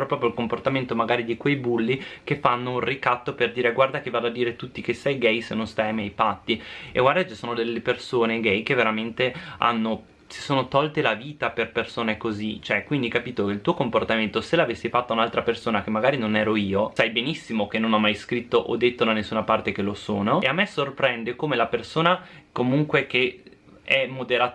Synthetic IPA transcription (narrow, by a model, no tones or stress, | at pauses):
ɾɔpɾɔpɾjoilkomport̪ament̪omaɡaːɾid̪ikwejbulːikefːanːounrikat̪ːoperd̪iːɾeɡward̪akevaːd̪oad̪iːɾet̪ut̪ːikesːɛjɡɛjsenːonst̪ajamjɛjpat̪ːiḛɡward̪akt͡ʃisoːnod̪elːepersoːneɡɛjk̟eveɾament̪ea̰nːo | si̥soːnot̪ɔlt̪elaviːt̪aperpersoːnekozit͡ʃoɛkːwind̪ikapiːt̪okeilt̪uːokomport̪ament̪oselavesːifat̪ːaunalt̪ɾapersoːnak̟emːaɡaːɾinonɛːɾoiːosajbenisːimok̟enːonɔmːajskɾit̪ːoʔod̪ːet̪ːod̪anesːuːnapart̪ek̟elosoːnoeamːɛsorpɾɛnd̪ekomelapersoːnakomuŋkwek̟e | ɛmːod̪eɾaː